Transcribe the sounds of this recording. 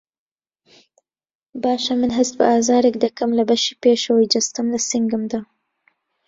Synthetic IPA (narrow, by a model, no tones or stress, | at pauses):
bɑːʃamənɦast̪̚pə̰ɑːzɑːɾekd̪akamlabaʃipeʃowid͡ʒast̪amlasɪŋɡəmd̪a